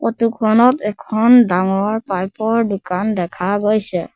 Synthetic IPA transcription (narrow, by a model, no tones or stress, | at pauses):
kɔtukʰɔnɔtɛkʰɔndaŋɔɹpajpɔɹdukandɛkʰaɡojsɛ